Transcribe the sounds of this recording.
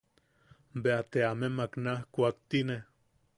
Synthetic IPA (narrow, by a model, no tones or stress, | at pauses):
mbeat̪eamemaknahkʷuakt̪ine